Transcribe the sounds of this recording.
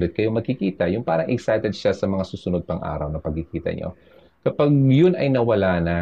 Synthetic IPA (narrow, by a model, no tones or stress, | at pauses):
bɪt̪̚kɐjo̞mɐɡ̚kɪkiːt̪ɐjʊŋpa̰ːɾɐŋʔɛksajt̪ɛd̪ʃasɐmɐŋasuːsʊnod̪̚pɐŋʔa̰ːɾɐwnɐpɐɡ̚kɪkiːt̪ɐ̰ɲo̰ | kɐpaɡ̚jʊnɐjnɐwɐlanɐ